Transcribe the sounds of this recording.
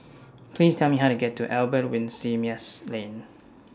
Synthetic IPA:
pʰlistʰɛlˠmiɦaʊtuɡɛtʰːuʔɛlbət̚wɪ̃nsimiəslẽn

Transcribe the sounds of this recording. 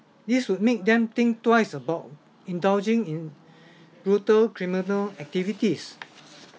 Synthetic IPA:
diswut̚mek̚d̪ɛ̃mt̪ĩŋktwaɪsəbaʊt̚ | ĩndald͡ʒĩŋĩn | bɹutəlkɹiminəlɛk̚tivitis

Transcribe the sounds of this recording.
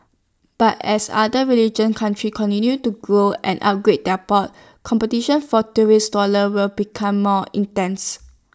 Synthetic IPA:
b̥atɛsa̰dəɹilid͡ʒə̃nkʰãntʰɹikʰɔ̃ntĩnjutuɡɹoʔɛ̰̃nʔa̰t̚ɡɹet̚dɛpɔt̚ | kʰɔ̃mpətiʃə̃nfɔtuɹisdɔləwɪlbikʰãmːɔḭ̃ntɛ̃ns

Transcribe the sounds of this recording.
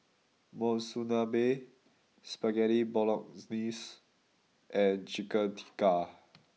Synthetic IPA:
mɔ̃nsunabe | spaɡɛɾibɔlɔk̚snis | ʔɛ̃nd͡ʒikəntʰi̥ka

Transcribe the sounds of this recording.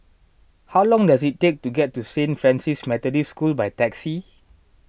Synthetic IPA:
hawlɔ̃ŋdazittːek̚tuɡɛt̚ːusẽnfɹɛ̃nsismɛtɔdiskulbajtɛksi

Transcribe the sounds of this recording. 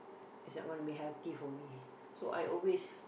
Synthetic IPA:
itsnɔ̰ʔ̚ɡɔ̃nəbiɦɛlt̪ifɔmi | soʔa̰jʔɔlwes

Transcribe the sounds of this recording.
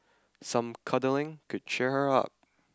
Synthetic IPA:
sʌ̃mkʰʌdl̩ˠɪ̃ŋkʰɨd̚t͡ʃʰɛɹə˞ʌ̰p̚

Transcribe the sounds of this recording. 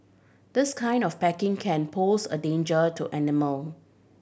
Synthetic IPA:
d̪̥ɪskʰãɪ̃ndɔfpɛkɪ̃ŋkʰɛ̃npʰosə̰dẽnd͡ʒətʰuʔɛnɪməl

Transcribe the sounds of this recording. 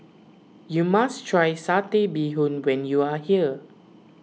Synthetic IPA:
jumastʰɹajsatebiɦũnwɛ̃njuahiə

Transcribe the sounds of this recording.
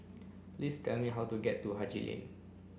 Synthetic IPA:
plistʰɛlmiɦawtuɡɛtːuɦad͡ʒḭlḭ̃n

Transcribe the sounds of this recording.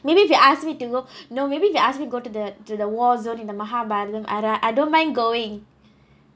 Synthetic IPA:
mebiːfjuʔaskmituɡonomebiːfjiasmituɡotud̪ətud̪əwɔlzõnĩnd̪əmaɦabaɾdɛ̃mʔa̰ɾaʔaɪdõnmãɪ̃nɡoɪ̃ŋ

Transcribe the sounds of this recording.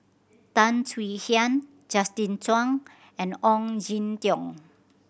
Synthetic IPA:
t̪ãnswihian | d͡ʒast̪ĩntwaŋ | ɛ̃nɔŋd͡ʒint̪jɔ̃ŋ

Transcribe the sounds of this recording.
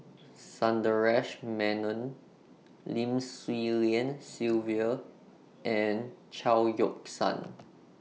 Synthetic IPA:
sãndəɹɛʃmɛ̃nə̃n | lĩmswiliə̃nsilviə | ʔɛ̃nt͡ʃʰaljɔksã̰n

